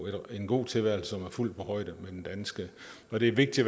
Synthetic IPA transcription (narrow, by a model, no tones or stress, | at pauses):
ed̥e̝nɡ̥o̝̰ːt͡sʰe̝lʋæɐl̩səsɒ̽mæɐful̰d̥pʰɒ̽hɒ̽ɪɾ̥əmed̥end̥ænsɡ̥ə | ɒ̽d̥e̝æɐʋe̝ɡ̥̚d̥i̥ʋ